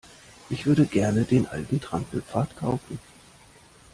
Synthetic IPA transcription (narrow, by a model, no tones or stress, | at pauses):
ʔɪçv̥ʏɐɾəɡɛɐnədeːnʔa̰lɡitʁ̥ampl̩p͡faːɐtkʰaʊfn̩